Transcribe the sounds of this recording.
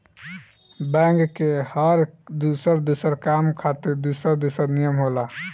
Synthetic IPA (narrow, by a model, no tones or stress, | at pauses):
bɛ̃ŋɡkehəɾd̪usəɾd̪usəɾkamkʰat̪iɾd̪usəɾd̪usəɾnijəmɦola